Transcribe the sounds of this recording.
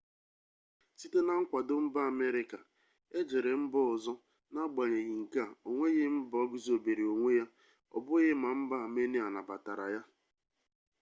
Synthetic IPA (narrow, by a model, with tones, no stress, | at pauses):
si˦te˦na˦ŋ̩˦kʷa˨dʊ˦m̩˦ba˦a˨me˦ɾɪ˦ka˨ | e˦d͡ʒe˨ɾe˨m̩˦bɔ˦ɔ˨zɔ˦ | na˦ɡ͡ba˨ɲe˨ɣɪ˨ŋ̩˨ka˦˨o˨ŋʷe˦ɣɪ˦m̩˦bɔ˦ɡi˦zo˨be˨ɾi˨o˨ŋʷe˦ja˦ | ɔ̰˨bʊ˦ɣɪ˦ma˨m̩˦ba˦˨me˦ne˦a˨na˨ba˨ta˨ɾa̰˨ja˦